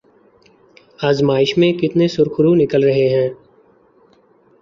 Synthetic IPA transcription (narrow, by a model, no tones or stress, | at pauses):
aːzmaːɪʃmẽkɪt̪nesʊɾxʊɾunɪkəlɾɐɦeɦɛ̃ː